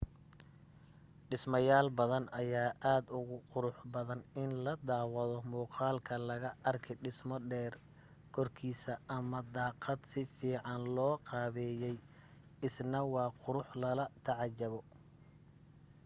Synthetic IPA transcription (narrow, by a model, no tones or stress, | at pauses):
ɖɪsmɐjaːlbɐðɐnɐjaːʔaːd̪ʊɣʊqʊɾʊħbɐðɐnɪnlɐd̪ɑːwɑðɔmuːqɑːlkʰɐlɐɣɐʔɐrkʰɛɖɪsmɔɖɛːr | kʰɔrkʰiːsɐɐmɐd̪ɑːqɑd̪sɪfiːʕɑnlɔːqɑːβɛːjɛj | ɪsnɐwɑːqʊɾʊħlɐlɐt̪ʰɑʕɑt͡ʃːɐβɔ